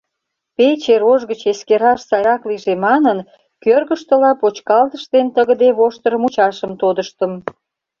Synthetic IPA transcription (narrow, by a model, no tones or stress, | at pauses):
pet͡ɕeɾoʒɣət͡ɕeskeɾɑʃsɑɾɑkliʒemɑnən | kørɣəʃt̪əlɑpot͡ɕkɑlt̪əʃt̪ent̪əɣəd̪eβoʃt̪ərmut͡ɕɑʃəmt̪od̪əʃt̪əm